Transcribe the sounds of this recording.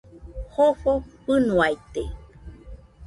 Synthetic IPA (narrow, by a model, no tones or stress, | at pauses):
hoɸopɨnũajt̪e